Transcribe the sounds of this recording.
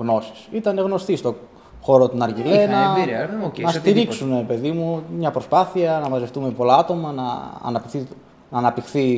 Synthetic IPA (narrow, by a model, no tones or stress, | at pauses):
ɣno̞si̥sit̪ɐne̞ɣno̞st̪ist̪o̞ | xo̞ɾo̞t̪onɐɾʝile̞nnɐ | nɐst̪iɾiksuneɾepe̞ðimumɲɐpɾo̞spɐθiɐnɐmɐzeft̪ume̞po̞lɐɐt̪o̞mɐnɐ̰ːnɐpi | nɐːnɐpt̪ixθi